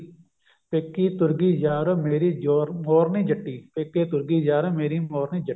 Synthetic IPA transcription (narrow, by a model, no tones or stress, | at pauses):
peːkːiːt̪ʊɾɡiːd͡ʒaːɾomeːɾiːd͡ʒoːɾmoːɾniːd͡ʒəʈːiːpeːkːeːt̪ʊɾɡiːd͡ʒaːɾomeːɾiːmoːɾniːd͡ʒə